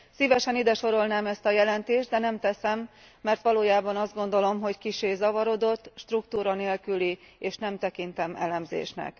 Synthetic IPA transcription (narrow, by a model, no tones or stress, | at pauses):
sivɛʃɛnid̪ɛʃo̞ɾo̞lnaːmɛst̪ɒjɛlɛnt̪eːʒdd̪ɛnɛmt̪ɛsɛmː | ɛrt̪ʋɒloːjaːbɒnɒzd̪ɡo̞nd̪o̞lomɦo̞ckiʃeːzɒvɒɾo̞d̪o̞t̪ːʃt̪rukt̪uːɾɒneːlkyli | eːʃnɛmt̪ɛkint̪ɛmɛ̰lɛmzḛːʃnɛ̰k